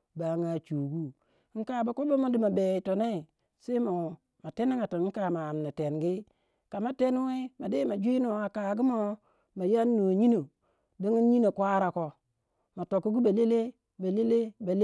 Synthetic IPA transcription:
ba˨˦ŋa˨t͡ʃu˨ɡu˦ | ŋ̩˦ka˦˨ba˨ko˦bo˦mo˦di˦ma˨be˨i˨to˨ne˦i˨ | se˦mo˨ | ma˨te˦ni˦ŋa˨to˨˦ŋ̩˦ka˨ma˨a˨m˨na˨te˨nɡi˦ | ka˨ma˨˦te˦n˦we˦ma˨de˦ma˨d͡ʒi˦no˨a˨ka˨ɡi˦mo˦ | ma˨ja˦nː˦o˨ɲi˦no˨ | do˦ŋi˦n˦ɲi˦no˨kʷa˦ɾa˨ko˨ | ma˨to˨ku˦ɡu˦ba˨le˦le˦ | ba˨le˦le˦ba˨l

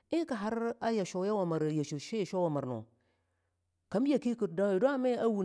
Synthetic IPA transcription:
i˦ka˨ɦa˦ɾa˦ja˨ʃo˨˦ja˦wa˨ma˨ɾja˨ʃo˨ʃe˦a˨ʃo˦wa˨ma˨ɾno̰˨ | ka˨˦m˦a˨ki˦ku˨t̚da˦e˨do˦a˦me˦a˦wu˨

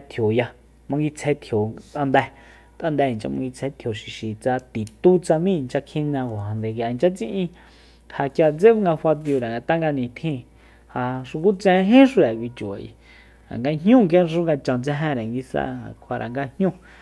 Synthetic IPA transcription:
t̪ʰjo˨ja˧ | mã˧ŋɡi˧t͡sʰe˧t̪ʰjo˨t̪ʼa˧nd̪ɛ˧ | t̪ʼʔa˧nd̪ɛ˧˨nt͡ʃa̰˧mã˧ŋɡi˧t͡sʰe˧˦t̪ʰjo˨ʃi˨ʃi˨t͡sa˧t̪i˨t̪u˦t͡sa˧mĩ˦˧nt͡ʃa˧kʰĩ˦˧nã˧ko˨ha˨nd̪e˨ka˨˧nt͡ʃa˦t͡sḭ̃˧ʔĩ˧ | ha˧kja˧t͡se˦ŋɡa˧fa˧t̪i˧o˧ɾa˨ŋɡa˧t̪a˦ŋɡa˧nĩ˨t̪ʰĩ˧ | ha˧ʂu˧ku˦t͡sɛ̃˧ɦẽ˦ʂu˧ɾa˨kʷi˧t͡ʃu˨a̰˨ʔḭ˧ | a̰˨ŋɡa˧ɲɲũ˦˨ŋkã˦˧ʂũ˦ŋɡa˧t͡ʃã˧˨nt͡sɛ˧ɦɛ̃˧ɾɛ˨ŋɡi˧sa̰˧˨kʰa˧ɾʔa̰˨ŋɡa˧hɲũ˦

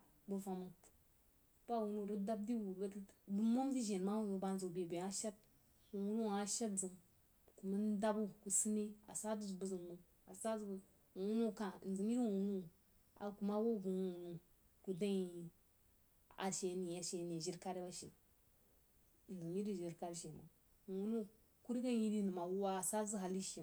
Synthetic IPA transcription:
bə˨fa˨mu˨ | b̥a˦˨wu˨nu˦˨ɾə˦da˦b̚di˦wu˨bbu˦mo˦m˦zi˦ʒe˨n˨ma˦wu˦nu˨ba˨n˨zu˨be˨be˨a˦ʃa˦t̚ | wu˨wu˦nu˦˨a˦ʃa˦td͡zɨ˨ŋ | ku˨ma˦n˦da˦bu˦ku˨si˦ni˦a̰˨sa˦du˦zbu˦zu˨ŋmu˦ | a˨sa˦z | wu˨wu˦nu˦˨ka˨n̩˨zɨ˨mji˦ɾwu˨wu˦nu˦˨ | a̰˨ku˨ma˦wo˦˨bu˨u˦wu˨nu˦ | ku˨da˦i˨ | a̰˨ʃe˨˦ni˨ja˦ʃe˨ni˨ʒi˦ɾka˦ɾe˦ba˦ʃḛ˨ | n̩˨zi˨mji˦ɾi˦ʒi˨ɾka˦ɾʃe˨ma̰˨ | wu˨wu˦nu˦ | ku˦ɾi˦ka˦ji˦di˦nɨ˨ma˨wu˦wa˦˨sa˦zu˦ɦa˨li˦ʃi˨

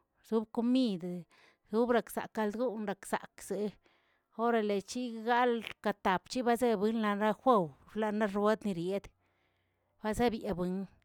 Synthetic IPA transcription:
zu˦b̚ko˧mi˦˧d̪ | zu˦bɾa˧˨ksa̰˨kːa˧ld̪ɡu˦nɾa˨ksa̰˨kz̥e˨ | o˦ɾa˧le˨t͡ʃi˦ɡa˦lka˧˨t̪a˨pt͡ʃi˦ba˦ze˦bɨ˦nla˧nɾa˦xʷe˦wɾla˧na˦ɾwe˦d̪ni˧ɾje˦d̪ | b̥a˦ze˦bje˧bɨ˨˦n

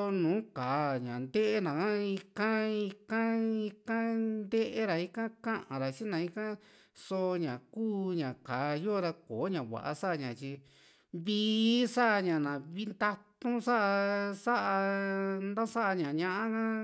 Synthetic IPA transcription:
nũː˨˦kaː˨ɲã˨nd̪e˦ʔe˦nã˨kã˦i˧kã˦i˧kã˦i˧kã˦nd̪e˦ʔe˦ɾa˨i˦kã˦kã˦ʔã̰˨ɾa˨t͡ʃi˦nã˨˧i˧kã˦ | so˧ɲã˨kuː˦ɲã˨kaː˨jo˦ɾa˧koː˨˦ɲã˨βa̰˨ʔa̰˧sa˦ʔa˧ɲã˨t͡ʃi˧ | βi˦sa˦ʔa˧ɲã˨nã˨βi˦nd̪a˧t̪ũ˦sa˦ʔa˧sa˦ʔa˧nd̪ã˦sa˦ʔa˧ɲã˨ɲã˧ʔã˦kã˦

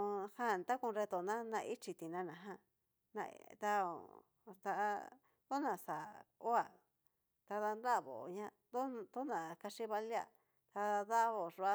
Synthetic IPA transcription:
hã˦˨nt̪a˦kũ˧ɾe˧t̪o˨nã˦nã˧i˦t͡ʃi˧t̪i˨nã˧nã˨ɦã˦ | nã̰˧t̪a˧o̰˨ | t̪a˧ʔ | d̪o˦nã˨sa˨o˦a˨ | t̪a˧ða˧nd̪a˦˨βo̰˨ɲã˦˧ | d̪o˦˧t̪o˦nã˨ka˧ʂi˦βa˧li˦a̰˨ | t̪a˧ða˦βo˨ʐu˧a˧

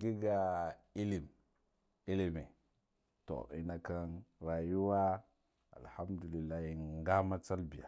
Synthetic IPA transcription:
ɡi˦ɡa˨ | i˦li˨m | i˦li˨me˨ | to̰˨ḭ˨na˨ka˦nɾa˨ju˦wa˦ | a̰˨lha˦mdu˨li˨lːa˦hi˨ŋŋɡa˦ma˦t͡sa˦lbi˨ja̰˨

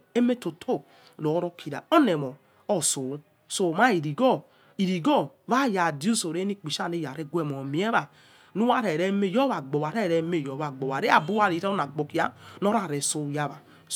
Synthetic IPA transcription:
e˦me˦to˨tʰo˦˨ | lo˨˦ɾo˦kʰi˨ɾa̰˨o˦nɛ˨mɔ˨ | o˦so˨˦ | so˨ma˦i˨ɾi˨ɡɔ˦ | i˨ɾi˨ɡɔ˦βa˦ja˨di˦u˦so˨ɾe˦ni˦k͡pi˨ʃa˦˨ne˦˨ja˨ɾe˦ɡʷe˦˨mo˨m˨˦ɛ˦βa˨ | nu˦wa˦ɾɛ˨ɾe˦me˦˨jɔ˦βa˨ɡ͡bo˨wa˨ɾɛ˦˨ɾɛ˨me˦˨jɔ˨βa˨ɡ͡bɔ˨a˨ɾe˦a˨bu˦a˦˨ɾi˨˦ɾa˦o˦na˨ɡ͡bo˨ki˨˦a˦no˦ɾa˨ɾe˨so˨ja˦βa˨

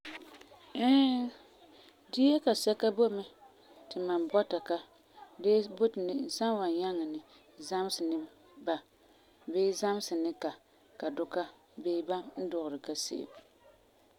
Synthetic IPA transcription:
ɛ˦ | dɪ˦jɛ˦ka˨sɛ˦ka˦bo˦mɛ˦ | tɪ˨ma˨nbɔ˦ta˨ka˦ | de˦bo˦tɪ˨nɪ˨n̩˨sa˦n˦wa˨n˨ja˦ŋa˨nɪ˨ | za˦m˦sɪ˨nɪ˦ | ba˨ | beː˦za˦m˦sɨ˨nɪ˦ka˨ | ka˨dʊ˦ka˦ | beː˦ba˦n̩˦dʊ˨ʔʊ˨ɾɪ˨ka˨sḛ˦˨ɪ̰˨m

